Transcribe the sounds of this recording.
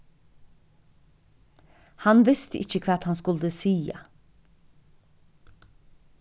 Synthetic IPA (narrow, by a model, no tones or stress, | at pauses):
hanʋɪst̪əʔɪçəkʰvaːt̪hanskʊld̪əsiːa̰